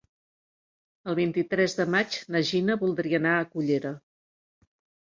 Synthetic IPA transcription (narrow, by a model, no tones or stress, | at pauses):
əlˠβ̞int̪it̪ɾɛzðəmat͡ʃnəʒinəβulˠd̪ɾiənaəkuʎeɾə